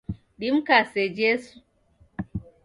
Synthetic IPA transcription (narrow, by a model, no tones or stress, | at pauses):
ɗimkased͡ʒesu̥